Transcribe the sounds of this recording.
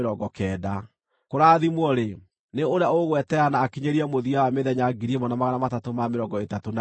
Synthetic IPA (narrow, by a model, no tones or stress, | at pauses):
ɾɔɡɔkɛda | koɾaðimwɔɾe | neoɾeaoɣwɛtɛanaːkiɲeɾiɛmoðiawameðɛɲaɡiɾimɔnamaɣanamatatomameɾɔːŋɡɔetatona